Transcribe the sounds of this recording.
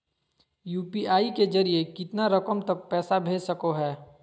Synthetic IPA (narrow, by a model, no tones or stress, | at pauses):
juːpiaːiked͡ʒɐɾiekɪt̪naɾɐkəmt̪ɐk̚pɛːsabʱeːd͡ʒsɐkoɦɛː